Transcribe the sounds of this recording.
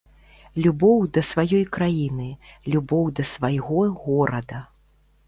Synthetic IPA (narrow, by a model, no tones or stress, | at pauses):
lʲubɔwd̪ɐsvajɔjkɾajinɨlʲubɔwd̪ɐsvajɣɔɣɔɾɐd̪ɐ